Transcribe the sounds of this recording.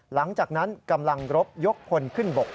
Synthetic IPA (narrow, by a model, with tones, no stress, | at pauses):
la˩˦ŋt͡ɕaː˨˩k̚na˦˥nka˧mla˧ŋɾo˦˥p̚jo˦˥k̚pʰo˧nkʰɯ˥˩nbo˨˩k̚